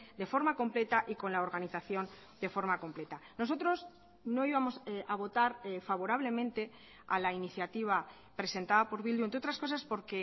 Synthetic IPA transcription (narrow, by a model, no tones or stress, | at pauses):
d̪e̞fo̞ɾmako̞mple̞t̪aʔiko̞nlaoɾɣaniθaθjo̞n | d̪e̞fo̞ɾmako̞mple̞t̪ano̞so̞t̪ɾo̞s | no̞iβamo̞saβ̞o̞t̪aɾfaβ̞o̞ɾaβle̞mẽ̞nt̪e̞ | a̰lainiθjat̪iβ̞a | pɾe̞se̞nt̪aðapo̞ɾβilunt̪ɾeot̪ɾasko̞saspo̞ɾke̞